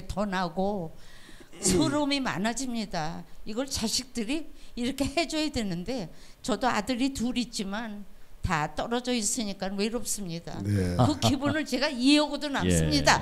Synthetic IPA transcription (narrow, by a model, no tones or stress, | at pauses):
tʌnaɡo | sʰoɾomima̰nad͡ʑimɲidaiɡʌɭt͡ɕaɕʰik̚t͈ɯɾiːɾʌkʰe̞he̞d͡ʑʌjadwe̞nɯnde̞t͡ɕʌdoadɯɾituɾit̚t͡ɕ͈imantat͈ʌɾʌd͡ʑʌis͈ɯɲik͈anwe̞ɾop̚s͈ɯmɲida̰kɯkibunɯɭt͡ɕe̞ɡaieʌɡodonas͈ɯmɲida